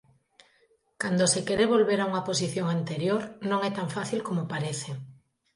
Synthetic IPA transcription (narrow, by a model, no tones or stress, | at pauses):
kand̪osekeɾeβolβeɾauŋɐposiθjoŋant̪eɾjoɾnõŋɛt̪aɱfaθilkomopaɾeθe